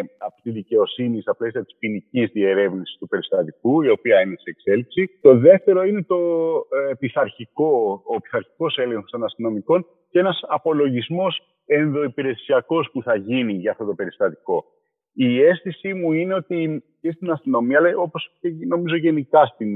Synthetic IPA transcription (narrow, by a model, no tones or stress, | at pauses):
ɐpt̪iðice̞o̞sinist̪ɐple̞siɐt̪i̥spinicizðie̞ɾe̞vnisi̥st̪upe̞ɾist̪ɐt̪ikuio̞piɐineseekse̞lipsit̪o̞ðe̞ft̪e̞ɾo̞ine̞t̪o̞ | piθɐɾçiko̞ːpiθɐɾçi̥ko̞se̞leŋxo̞st̪o̞nɐst̪ino̞miko̞n | ce̞nɐsɐpo̞lo̞ʝizmo̞s | e̞nðo̞ipiɾe̞siɐko̞spuθɐʝiniʝɐːft̪o̞t̪o̞pe̞ɾist̪ɐt̪i̥ko̞ | ie̞sθisimuine̞o̞t̪i | cest̪inɐst̪ino̞miɐlɐo̞posceno̞mizo̞ʝe̞nikɐst̪in